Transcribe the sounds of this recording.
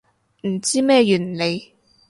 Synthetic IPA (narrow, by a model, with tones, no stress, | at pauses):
m̩˨˩t͡siː˥mɛː˥˧jyː˨˩nle˨˧j